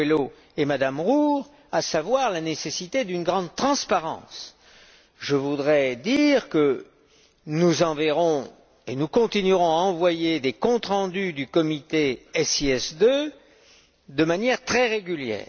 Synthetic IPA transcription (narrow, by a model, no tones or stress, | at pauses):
elo | emad̪amʁuʁ | asavwaʁlanesesit̪ed̪ynɡʁɑ̃d̪̚t̪χɑ̃spaʁɑ̰̃s | ʒəvud̪ʁɛd̪iʁkə | nuzɑ̃vɛʁɔ̃ | enukɔ̃t̪inyʁɔ̃aɑ̃vwajed̪ekɔ̃t̪χɑ̃d̪yd̪ykɔmit̪eɛsiɛsd̪ø | d̪əmanjɛʁt̪χɛʁeɡʲyljɛ̰ːʁ